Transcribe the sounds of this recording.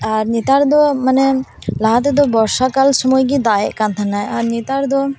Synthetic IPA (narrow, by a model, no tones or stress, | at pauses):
aɾɲit̪aɾd̪ɔmanɛlaɦat̪̬ɛd̪ɔbɔɾsakalsɔmɔjɡid̪aeʔkant̪ʰanːajaɾɲit̪aɾd̪ɔ